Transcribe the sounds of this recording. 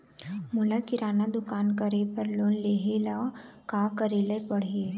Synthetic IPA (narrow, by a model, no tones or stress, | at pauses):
mʊlakɪɾaːnad̪ʊkaːnkəɾepəɾloːnleːɦelakaːkəɾelepɐɽɦeː